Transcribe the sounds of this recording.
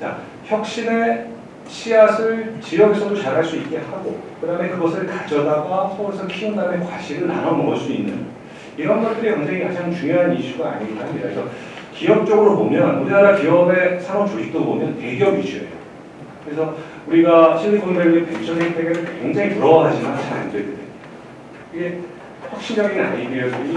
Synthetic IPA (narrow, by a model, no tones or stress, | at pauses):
t͡ɕa̰ | çjʌk̚ɕ͈ine̞ | ɕʰiasʰɯɭt͡ɕijʌɡesʰʌdot͡ɕaɾɦaɭs͈uit̚k͈e̞haɡokɯdame̞kɯɡʌsʰɯɭkad͡ʑʌdaɡwasʰʌuɾesʰʌkʰiundamekwaɕʰiɾɯɭna̰nʌnnɡʌs͈ʰoinːɯn | iɾʌnɡʌt͈̚ɯɾikʌŋd͡ʑeŋikad͡ʑaŋt͡ɕuŋjoɦaniɕʰuɡaːɲiɡihamɲidakesʰʌ | kiʌk̚t͡ɕ͈ʌɡɯɾobomjʌnuɾinaɾakiʌbe̞sʰaɾʌmt͡ɕoɕʰik̚t͈obomjʌnte̞ɡjʌbɥiɕʰuḛjo̰ | kɯɾe̞sʰʌ | uɾiɡaɕʰiniɡundeɡepḛt͡ɕʰʌsʰeit͈ʰeɡenɯɭkweŋd͡ʑaŋipuɾʌwaɦad͡ʑimanɕʰana̰nidedɯndḛ | iɡe̞ | ɸwak̚ɕ͈imd͡ʑʌɡina̰ɲidejo